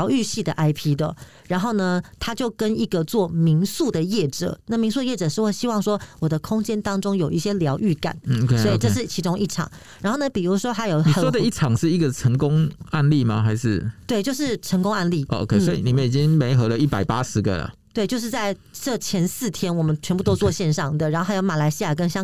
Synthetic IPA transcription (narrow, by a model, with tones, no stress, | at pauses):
ʊy˥˧ɕi˥˩d̪ə˩ʔa˥ɪpʰi˥d̪ə̰˨ | ɻa˧˥nxo˥˩ʊnə˩t̪ʰa˥t͡ɕjo˥˩ʊkə˥ni˧˥ɡə˨t͡swɔ˥˩mi˧˥ŋsu˥˩d̪ə˩jɛ˥˩ʈ͡ʂɤ̰˨˩˦na˥˩mi˧˥ŋsu˥d̪ə˧jɛ˥˩ʈ͡ʂɤ˨˩ʂɻ̩˥˧we˥˩ɪɕi˥wɑ˥˩ŋʂwɔ˥wɔ˨˩d̪ə˦kʰʊ˥ŋt͡ɕjɛ˥nt̪ɑ˥ŋʈ͡ʂʊ˥ŋjo˨˩ʊʔi˥˩ɕjɛ˥ljɑ˧˥ʊʔy˥˩ka̰˨˩˦nʰ˧swɔ˧˥i˨ʈ͡ʂɤ˥˧ʂɻ̩˥˩t͡ɕʰi˧˥ʈ͡ʂʊ˥ŋi˥˩ʈ͡ʂʰɑ̰˨˩˦ŋ | ɻa˧˥nxo˥˩ʊnə˧˩pi˨˩ɻu˧˥ʂwwɔ˥ʊxa˧˥ɪjo˨˩ʊni˨ə˨wdə˧i˥˩ʈ͡ʂʰɑ˨˩ŋʂɻ̩˥˩i˧˥ɡə˨˩ʈ͡ʂʰə˧˥ŋkʊ˥ŋa˥˧nli˥˩ma̰˨xa˧˥ɪʂɻ̩˥˩t̪we˥˩ɪt͡ɕjo˥˧ʊʂ̬ɻ̩˥˩ʈ͡ʂʰə˧˥ŋkʊ˥ŋa˥˧nli˥˩o˧o̰˧kʰe˥˩ɪwɔ˧˥ḭ˨˩ni˨˩mə˦i˨˩t͡ɕi˦˥ŋme˧˥ɪxɤ˧˥lə˧i˥˩pa˨˩ɪpa˦˥ʂɻ̩˧˥ɡə̰˨lə̰˩t̪we˥˩t͡ɕjʂɻ̩˥˧t͡sa˥˧ɪʈ͡ʂɤ˥˧t͡ɕʰjɛ˧˥nsɹ̩˥˩t̪ʰjɛ˥nwɔ˨˩mə˨˦nt͡ɕʰɥɛ˧˥npu˥˩t̪o˥ʊt͡swɔ˥˧ɕjɛ˥˧nʂɑ˥˩ŋd̪ə˩ɻa˧˥nxo˥˩˧a˥jo˧˥ʊma˨˩la˧˥ɪɕi˥ja˨˩k̬ə˧˦nɕjɑ˥ŋ